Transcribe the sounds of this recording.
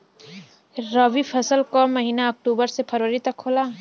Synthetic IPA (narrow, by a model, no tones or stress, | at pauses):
ɾəʋipʰɐsəlkɔːmɐɦiːnaɐk̚ʈuːbəɾsepʰɐɾʋəɾit̪ɐkʰːoːlaː